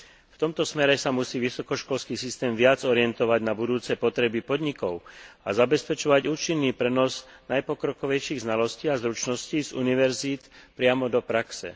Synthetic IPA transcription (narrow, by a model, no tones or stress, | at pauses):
ft̪ɔmt̪ɔsmɛɾɛsamusiːʋisɔkɔʃkɔlskiːsist̪ɛːmʋɪad͡zɔɾɪɛnt̪ɔʋaɟnabud̪uːt͡sɛpɔt̪ɾɛbipɔd̪ɲikɔʊa̰zabɛspɛt͡ʃɔʋaɟuːt͡ʃinːiːpɾɛnɔz | najpɔkɾɔkɔʋɛjʃiːɣznalɔsciːazɾut͡ʃnɔsciːzṵniʋɛɾziːt̪pɾɪamɔd̪ɔpɾaksɛ̰